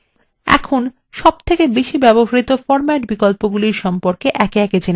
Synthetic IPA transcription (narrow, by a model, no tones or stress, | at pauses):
ɛ̰kʰon | ʃɔb̚t̪ʰekebeʃibɛboɦaɾit̪ofɔɾmɛʈbikolpoɡuliɾʃɔmpoɾkeʔɛkeɛked͡ʑene